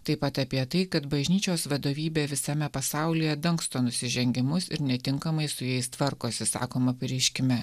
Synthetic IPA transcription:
t̪ɐɪpɐt̪ɐpʲiɛt̪ɐɪkɐt̪bɐʒʲnʲiːt͡ʃʲoːsʋɐd̪oːʋʲiːbʲeːʋʲɪsɐmʲɛpɐsɑˑʊlʲijɛd̪ɐŋkst̪oːnʊsʲɪʒʲɛŋʲɡʲɪmʊsɪ̰ɾnʲɛt̪ʲɪŋkɐmɐɪsʊjɛɪst̪ʋɐɾkoːsʲɪsɑ̰ːkoːmɐpʲɪɾʲɛɪʃʲkʲɪmʲɛ

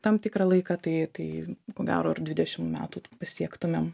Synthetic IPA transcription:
t̪ɐmt̪ʲɪkɾɑlˠɐɪkɑt̪ɐɪt̪ɐɪkoːɡʲæ̰ːɾoːɐrd̪ʲʋʲɪd̪ʲɛʃʲɪmmʲæ̰ːt̪uːpɐsʲiɛkt̪ʊmʲem

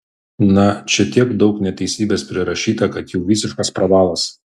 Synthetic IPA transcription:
nɐt͡ʃʲɛt̪ʲiɛkd̪ɒʊknʲɛt̪ʲɛɪsʲiːbʲeːspʲɾʲɪɾɐʃʲiːt̪ɐkɐt̪jɛʊʋʲisʲɪʃkɐspɾɐʋɑːlˠɐs

